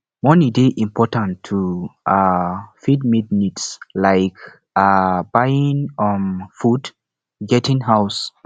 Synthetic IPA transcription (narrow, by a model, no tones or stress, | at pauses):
mɔ̃nidiʔĩmpʰɔtãntʰuafid̚midnitslaɪk | abajĩŋɔmfud | ɡɛtĩŋɦaʊs